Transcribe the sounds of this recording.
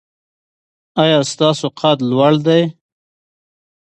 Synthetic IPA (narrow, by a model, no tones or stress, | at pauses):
ɑjɑst̪ɑːsoqʰɑt̪lwaɽd̪aj